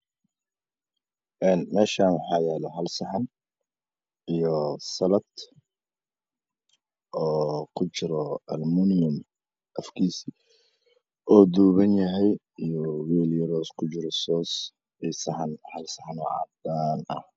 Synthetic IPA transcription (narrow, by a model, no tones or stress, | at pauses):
ʔɛːnmɛːʃaːnwɑħɑːjɛːlɛɦɐlsɑħɑn | ijɔsɐlɐd̪ | ʔɔːkʰʊt͡ʃɪɾɔɐlmunʊm | ʔɐfkʰiːsi | ʔɔːd̪uːβɐnjɐɦɛj | ijɔwɛːljɐɾɔːskʰʊt͡ʃɪɾɔsɔːs | isɐħɑnhɐlsɐħɑnɔːʕɑ̰d̪aːnɐ̰h